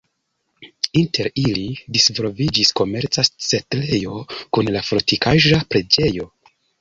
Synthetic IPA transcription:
inte̞ɾilidisvo̞lvid͡ʒisko̞me̞ɾt͡sat͡setle̞jo̞kunlafɾotikaʒapɾe̞d͡ʒe̞jo̞

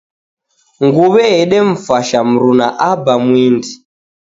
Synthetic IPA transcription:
ŋɡuβɛɦɛɗɛɱ̩faʃam̩ɾunaʔabamwindi

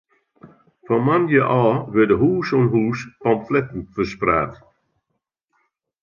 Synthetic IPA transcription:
fɔnmanjəʔɔːʋɪdəɦuːsonɦuːspɔmflɛtn̩fəspraːt

